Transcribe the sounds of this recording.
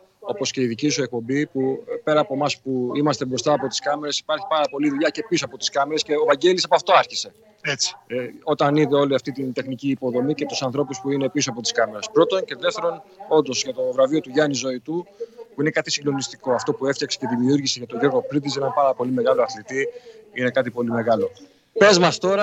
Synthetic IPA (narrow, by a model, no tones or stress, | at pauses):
o̞po̞sce̞iðicisue̞k̚po̞mbipupe̞ɾɐːpo̞mɐspuimɐst̪e̞bɾo̞st̪ɐːpo̞t̪i̥skɐme̞ɾe̞si̥pɐɾçi̥pɐɾɐpo̞liðuʎɐce̞pisoɐpo̞t̪i̥skɐme̞ɾe̞sce̞ovɐɲɟe̞lisɐpoɐft̪o̞ɐɾçise̞ | et͡si̥o̞t̪ɐniðeo̞liɐft̪it̪int̪e̞xniciːpo̞ðo̞mice̞t̪usɐnθɾo̞puspuine̞pisoɐpo̞t̪iskɐme̞ɾespɾo̞t̪o̞nce̞ðeft̪e̞ɾo̞no̞nd̪o̞zʝɐt̪o̞vɾɐvio̞t̪uʝɐnizo̞it̪upuine̞kɐt̪i̥siŋɡlo̞nist̪iko̞ɐft̪o̞pueft̪jɐksece̞ðimiuɾʝiseʝɐt̪o̞ʝo̞ɾɣo̞pɾid̪is̬enɐmpɐɾɐpo̞lime̞ɣɐlo̞ɐθlit̪iine̞kɐt̪ipo̞lime̞ɣɐlo̞ | pe̞zmɐst̪o̞ɾɐ